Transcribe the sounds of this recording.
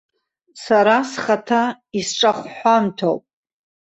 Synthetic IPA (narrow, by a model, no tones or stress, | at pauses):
saɾasχatʰa | isʈ͡ʂʼaχʷħʷamtʰo̰wpʼ